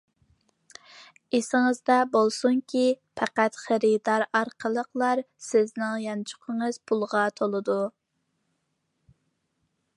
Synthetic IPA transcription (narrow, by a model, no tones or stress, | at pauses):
esɪŋəzd̪ɑbolˠsuŋkʲʰipʰɛqæt̪χæɾid̪ɑɾɑɾqʰəlˠəqlˠɑɾ | sɪznɪŋjɑnt͡ʃʰʊ̥qʰəŋəz̥pʰulˠʁɑt̪ʰolˠɨd̪u